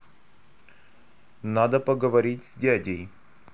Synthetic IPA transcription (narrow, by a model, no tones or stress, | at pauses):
nad̪əpəɡəvɐɾʲitʲsʲdʲadʲɪj